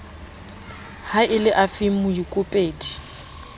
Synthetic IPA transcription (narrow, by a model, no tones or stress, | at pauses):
haʔɪlɪʔafɪm̩mʊjikʼʊpʼeːtʼi̥